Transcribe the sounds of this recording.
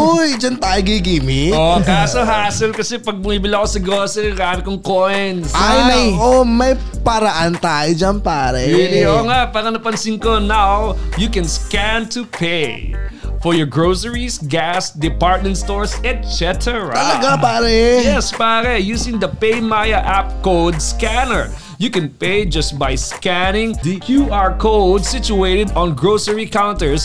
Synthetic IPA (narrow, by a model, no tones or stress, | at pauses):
ʔojd͡ʒɐnt̪aːjoɡiɡiːmɪokaːsoɦaːsɪlkɐsɛpɐɡ̚mʊŋibɪlaɐkosɐɡoːsɛɾaːmɪkoŋkojjnsajʔomɐj | pɐɾɐʔant̪aːjod͡ʒɐnpaːɾɛioŋaʔpaːɾɐnɐpɐnsɪnkonawjukɛ̃nskæ̃nt̪upʰejfɔɹjɔɹɡɹoʊsəɹisɡæsd̪ɪpaɹt̪̚mɛ̃ntst̪oɹsɛt̪̚sɛt̪ʰɛɹa̰ɐlɐɡapaːɾɛjɛspaɾɛjuːsɪ̃ŋd̪ɐpejmajɐʔap̚koʊd̪skænəɹ | jukɛ̃npejd͡ʒɐst̪̚bajskænɪ̃ŋd̪ikʰjuaɹkowd̪sit͡ʃʊeɪt̪ɛd̪ɔ̃nɡɹowsəɹikawnt̪əɹs